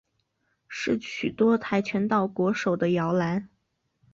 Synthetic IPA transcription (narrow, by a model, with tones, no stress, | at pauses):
ʂɻ̩˥˩ɕy˨˩t̪wɔ˥t̪ʰa˥˩ɪt͡ɕʰɥɛ˧˥nt̪ɑ˥˩ʊkwɔ˧˥ʂo˨˩ʊd̪ə˦jɑ˧˥ʊla˧˥n